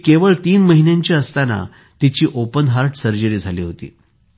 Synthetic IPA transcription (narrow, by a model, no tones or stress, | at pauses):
keʋəɭt̪iːnməɦinjãɲt͡ɕiəst̪ana̰ | t̪it͡ɕiːʔopənɦaɾʈsəɾd͡ʑəɾiːd͡zʱalḭːɦot̪ḭː